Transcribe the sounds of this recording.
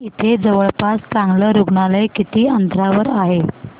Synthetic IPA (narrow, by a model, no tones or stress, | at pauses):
it̪ʰed͡zəʋəɭpaskãŋɡləɾuɡɳaləjkit̪iːənd̪ʱɾaʋəɾaɦe